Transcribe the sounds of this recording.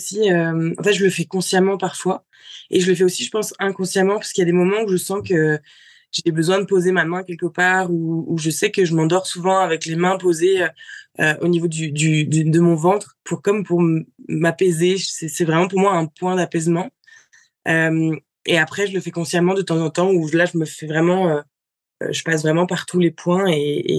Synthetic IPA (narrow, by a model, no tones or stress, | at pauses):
siømɑ̰̃fɛt̪ʒələfɛkɔ̃sjamɑ̃paʁfwa | ḛʒələfɛosiʒəpɑ̃sɛ̃kɔ̃sjamɑ̃pḁskəiljad̪emɔmɑ̃uʒəsɑ̃kə | ʒ̥ebəzwɛ̃d̪əpozemamɛ̃kʲɛlkəpaːʁuːʒəsɛkəʒəmɑ̃d̪ɔʁsuvɑ̃avɛklemɛ̃pozeøøʔo̰nivod̪yd̪yd̪d̪əmɔ̃vɑ̃t̪χpuʁkɔmpuʁmːapɛzesɛsɛvʁɛmɑ̃puʁmwaɛ̃pwɛ̃d̪apɛzmɑ̃ | øm | eapχɛʒələfɛkɔ̃sjamɑ̃d̪ət̪ɑ̃zɑ̃t̪ɑ̃uʒlaʒəməfɛvʁɛmɑ̃ø | ø̰ʒəpasvʁɛmɑ̃paʁt̪ʰulepʰwɛ̃eḛ